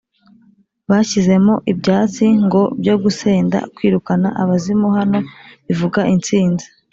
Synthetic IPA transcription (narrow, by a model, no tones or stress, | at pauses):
βaçize̞moʔibɟaːt͡siŋɡo̞bɟo̞ɡuseːnda̰kwiːɾukana̰ʔaβazimohano̞βivuɡaʔint͡siːnzi